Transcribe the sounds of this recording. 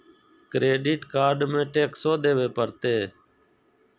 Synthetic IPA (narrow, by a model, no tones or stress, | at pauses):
kɾeːɖiːʈkaːɾɖmẽːʈeːksoːd̪eːʋeːpəɾt̪eː